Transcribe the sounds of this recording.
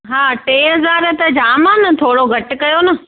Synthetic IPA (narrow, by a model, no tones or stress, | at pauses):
ɦaːʈeːɦɐzaːɾt̪ɐd͡ʑaːmãnɐt̪ʰoːɽoɡʱɐʈɪkɐjonɐ